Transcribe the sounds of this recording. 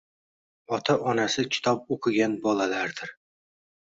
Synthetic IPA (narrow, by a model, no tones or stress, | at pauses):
ɒt̪ʰaʔɒnasɪkʲʰɪ̥t̪ʰɒp̚oqʰɨɡʲanbɒlalaɾd̪̥ɪɾ